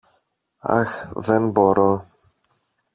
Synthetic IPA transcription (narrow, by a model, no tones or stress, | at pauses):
a̰xðɛnboɾo